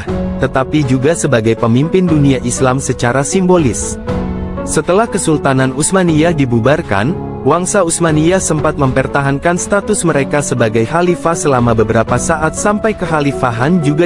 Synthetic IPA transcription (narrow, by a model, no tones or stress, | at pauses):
t̪ət̪apid͡ʒuɡasəbaɡajpəmimpɪnduniaʔislamsət͡ʃaɾasimbolɪs | sət̪əlahkəsult̪ananusmaniahdibubarka̰n | waŋsausmaniasəmpat̪̚məmpərt̪aɦankanst̪at̪ʊsməɾekasəbaɡajɦalifasəlamabəbəɾapasaʔat̪̚sampajkəɦalifaɦand͡ʒuɡa